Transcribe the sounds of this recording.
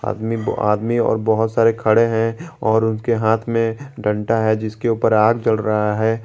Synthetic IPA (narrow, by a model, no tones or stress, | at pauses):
a̰ːd̪mia̰ːd̪miɔ̰ːɾbɔɦʊt̪saːɾekʰɐɽeɦɛ̃ɔːɾʊnkeɦaːt̪ʰmẽɖʱə̃ɳʈaɦɛd͡ʒɪskeuːpəɾaːɡd͡ʒɐlɾɐɦaɦɛː